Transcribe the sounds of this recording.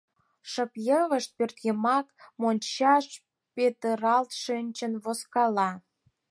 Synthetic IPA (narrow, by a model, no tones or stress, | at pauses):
ʃəpjəβəʃt̪̚pørt̪ɣemɑkmonʲt͡ɕɑʃ | pet̪əɾɑlt̪ʃɨnʲt͡ɕənβoskɑlɑ